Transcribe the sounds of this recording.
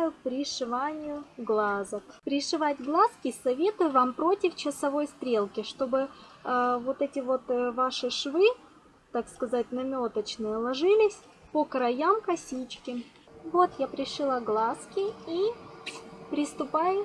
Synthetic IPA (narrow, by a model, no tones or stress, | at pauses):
jʊpɾʲɪʂɨvanʲɪjʊɡlˠazəkpɾʲɪʂɨvatʲɡlˠaskʲɪsɐvʲe̞t̪ʊjʊvampɾo̞tʲɪft͡ɕɪsɐvo̞jst̪ɾʲe̞lˠkʲɪʂt̪o̞bɨ | vo̞t̪ɛtʲɪvo̞t̪vaʂɨʂvɨ | t̪akskɐzat̚ʲnɐmʲo̞t̪ət͡ɕnɨjəlˠɐʐɨlʲɪsʲ | pokɾɐjamkɐsʲit͡ɕkʲɪ | vo̞t̪japɾʲɪʂɨlˠaɡlˠaskʲɪi | pɾʲɪst̪ʊpajʊ